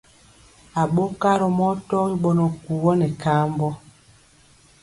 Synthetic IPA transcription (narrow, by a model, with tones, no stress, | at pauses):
a˨ɓo˦ka˦ɾɔ˨mɔ˦tɔ˦ɣi˦ɓɔ˨nɔ˨ku˨wɔ˦nɛ˨kaː˦mbɔ˦